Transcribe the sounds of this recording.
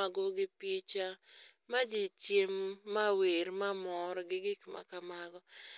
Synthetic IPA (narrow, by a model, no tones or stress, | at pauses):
aɡɔɡɪpjet͡ʃa | mad͡ʒit͡ʃjemːaweɾmamɔɾɔɡɪɡɪkma̰kamaɡɔ